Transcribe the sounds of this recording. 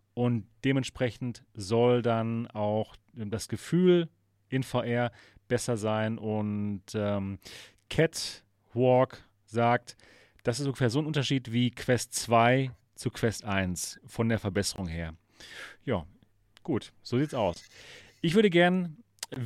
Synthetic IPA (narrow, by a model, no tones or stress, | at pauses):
ʔʊntd̥eːmɛntʃpʁ̥ɛçn̩tzɔldanaʊx | dasɡ̥əfyːl | ʔɪnfaʊʔɛːɐ | b̥ɛsɐzaɪnʔʊntɛːm | kʰɛt | wɔk | z̥aːk̚t | d̥asɪstʊŋɡəfɛːɐzoːnʔʊntɐʃiːtv̥iːkʰv̥ɛstt͡sv̥aɪ | t͡sukʰv̥ɛstʔaɪnsfɔndeːɐfɛɐbɛsəʁʊŋheːɐ | jaː | ɡ̥uːtz̥oːziːtsaʊsʔɪçv̥ʏɐɾəɡɛɐn